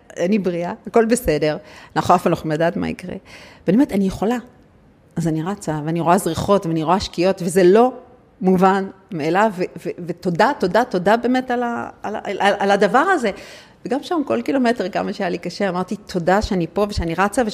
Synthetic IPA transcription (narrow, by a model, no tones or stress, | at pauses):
anibʁiaako̞lbese̞de̞ʁanaχoafalnoχumladaːtma̰ḭkʁḛbenietanijeχo̞la | azaniʁat͡saveaniʁoazʁiχo̞tveaniʁoaʃkijo̞tvezelo̞ | muvanmeelaveveveto̞datodato̞dabe̞ːme̞talalaaladavaʁaze̞ | veɡamʃamko̞lkilo̞me̞teʁka̰maʃejalikaʃeamaʁtitʰo̞daʃeanipo̞veʃeaniʁat͡save